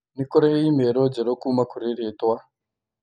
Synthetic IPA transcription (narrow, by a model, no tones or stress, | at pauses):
nikɔɾajeimeɾɔd͡ʒeɾokumakʰuɾeɾetwa